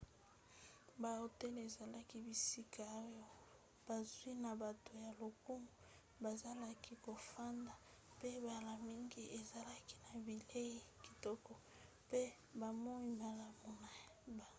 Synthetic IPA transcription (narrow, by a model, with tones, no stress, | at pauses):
ba˨o˨te˦le˨za˨la˦ki˦bi˨si˦kʰa˨o˦jɔ˦ | b̥a˨zwi˦na˨ba˨to˨ja˨lo˨ku˦mu˨ | ba˨za˦la˦ki˦ko˨fa˦nda˨ | pe˦ba˨la˨mi˦ŋɡi˦ʔe˨za˨la˦ki˦na˨bi˨le˦i˦ki̥˨tɔ˦kɔ˨ | pe˦ | ba˨mo˦i˦ma˨la˨mo˨na˨ | ba˨